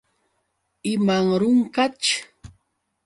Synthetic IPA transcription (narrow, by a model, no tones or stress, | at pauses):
ɪmaŋɾʊŋkat͡ʃʊ̥